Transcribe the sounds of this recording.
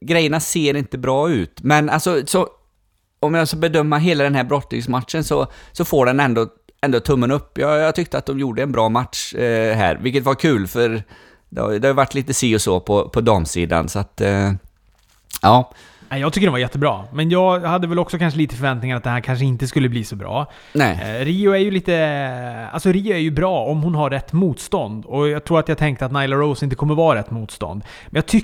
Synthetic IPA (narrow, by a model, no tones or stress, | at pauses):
ɡɾɛjːəɳaseːɾɪnt̪əbɾɑːʉ̟ːt̪mɛna̰lsɔsɔ | ɔmjaskabɛd̪œmːaɦeːlad̪ɛnɦæːɾbɾɔt̪nɪ̰ŋsmat̪ʂənsɔsɔfoːɖɛnɛnd̪o | ɛnd̪ot̪ʰɵmːənɵpːjɑjɑːɡt̪ʰʏk̚t̪əat̪̚d̪ɔmjuːɖəɛnbɾɑːmat̪ʂɦæ̰ːɾvɪlkːət̪vaɾkʰʉ̟ːlfœɾ | d̪ɛ̰ha̰d̪ɛhajʏvaʈːliːt̪əsiːɔsoːpʰɔpʰɔd̪ɑːmsiːd̪a̰nsɔat̪ | ʔɑː | nɛɪjɑɡ̚t̪ʏkːəɖɛnvaɾjɛt̪ʰːəbɾɑ̰ːmɛnjɑːɡhad̪ːəvɛlɔksɔkʰanʂəliːt̪əfœɾvɛnt̪nɪŋaɾat̪̚d̪ɛnhæɾkʰanʂ̬əɪnt̪əs̬kɵlːəbliːsɔbɾɑ̰ː | nɛɾiːʊæjɵliːt̪ə | a̰lsɔɾiːʊæjɵbɾɑːɔmhʊnɦaɾːɛt̪ːmuːt̪st̪ɔnd̪ɔjɑɡt̪ʰɾuːɾat̪jɑːɡt̪ʰɛŋkt̪əat̪naɪjlaɾoʊsɪnt̪əkʰɔmːəɾvɑːɾɛt̪ːmuːt̪st̪ɔ̰nd̪ | mɛnjɑːt̪ʰʏ